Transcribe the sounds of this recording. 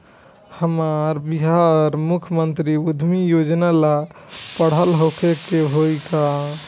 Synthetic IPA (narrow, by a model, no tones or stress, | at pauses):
həmaɾbiɦaɔɾmukʰəmənt̪ɾiud̪ʱmijod͡ʒnalapəɽ̤ɦəlɦokʰekeɦojka